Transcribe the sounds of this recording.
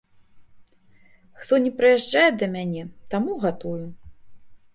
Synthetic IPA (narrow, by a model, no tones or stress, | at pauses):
xt̪ɔnʲɛpɾɨjaʐd͡ʐajɛd̪ɐmʲanʲɛt̪amuɣat̪uju